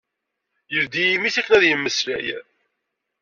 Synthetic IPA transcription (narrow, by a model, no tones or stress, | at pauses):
jəvd̪ijimiθækːənæðjəmːəslæ̰j